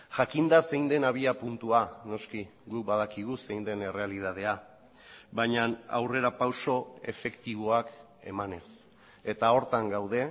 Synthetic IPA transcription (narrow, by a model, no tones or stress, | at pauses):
ʝakind̪ase̞jnd̪e̞naβ̞iapunt̪uano̞skiɡuk̚bað̞akiɣ̞use̞jnd̪e̞ne̞re̞alið̞að̞e̞a | βajɲana̰wre̞ɾapawso̞e̞̰fe̞kt̪iβ̞o̞ak | e̞̰mane̞s | e̞t̪ao̞ɾt̪aŋɡawð̞e̞